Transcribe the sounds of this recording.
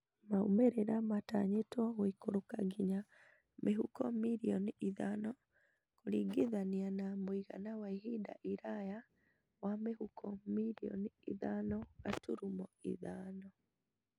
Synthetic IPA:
maumeɾeɾamataɲetwɔɣwikoɾokaɡiɲa | mʔeɦukɔmiɾiɔniiðanɔ | koɾiɡeðanianamoiɣa̰nawaiɦida̰ʔiɾaja | wamehukʰɔmiɾiɔ̰niiðanɔɣatuɾumɔḭðaːnɔ

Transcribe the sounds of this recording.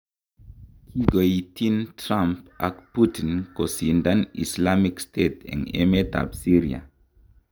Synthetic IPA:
kʰiɡoit̪intʰɾampʔa̰kput̪inkosind̪anḭslamikst̪ʰeːt̪ḛnḛmet̪a̰psiɾia̰

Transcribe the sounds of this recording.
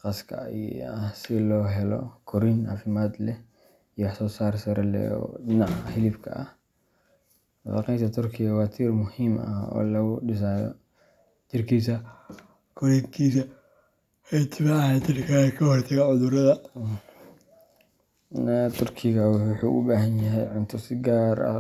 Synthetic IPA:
qɑskʰɐ̰ | sɪlɔːɦɛlɔ̰kʰɔɾina̰ːfɪmaːd̪lɛh | ijwħsɔːsaːrsɐɾɐlɛ̰ɔ̰ɪnaʕhɪlɪfkʰɐ̰ʔɐ̰h | wɑqɛjnt̪ʰɐt̪ʰʊrkʰɪɣɐwɑːt̪ʰirmʊhiːmɐ̰hɔ̰ːlɐɣʊɖɪs̬aːjɔ̰ | t͡ʃ̪ɪrkʰiːsɐ | kʰɔɾɛŋkʰiːsɐ | hɛt̪ʰɪmɐnt͡ʃ̪ɪrkʰakʰɐhɔrt̪ʰɐɣɐʕʊðʊɾɐðɐ | nt̪ʰʊrkʰɪɣɐwʊħṵːʔʊ̰baːɦɐnjɐɦɛjʕʊnt̪ʰʊsɪɡaːɾɐ̰

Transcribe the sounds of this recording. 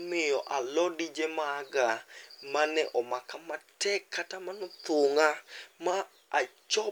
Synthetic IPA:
mɪjɔʔalɔdid͡ʒɛmaːɡamanɛʔɔmakamatɛkʰːatamanɔt̪oŋama | a | t͡ʃɔ

